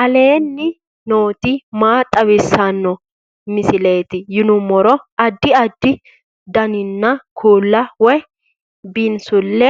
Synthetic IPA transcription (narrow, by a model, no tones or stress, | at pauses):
ʔɐle̞ːnːɪ | noːt̪ɪmaːt̪ʼɐβɪsːanːɔ | mɪsɪleːt̪ɪjɪnʊmɔɾɔɐd̪ːɪɐd̪ːɪ | d̪ɐnɪnːɐkʰuːlːɐwɔj | bɪnsʊlːɛ